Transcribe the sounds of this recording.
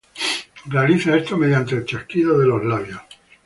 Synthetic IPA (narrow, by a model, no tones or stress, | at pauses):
realiθaest̪ome̞ðjant̪e̞ːlt͡ʃehkiðoðe̞lozlaβjos